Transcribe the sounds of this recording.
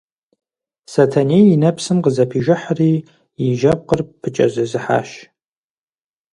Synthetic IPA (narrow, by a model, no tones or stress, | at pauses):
sɐtʰɐnejjinɐpsɨmqəzɐpʰiːʒɪħriː | jiʒɐp̚qərpʰɨt͡ʃʼɐ̰zɨzɨħa̰ːʃ